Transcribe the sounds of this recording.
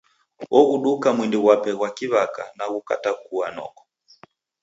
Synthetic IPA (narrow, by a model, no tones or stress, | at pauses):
ɔɣuɗukamwindiɣwapɛɣwakiβakanaɣuka̰takuanɔ̰kɔ̥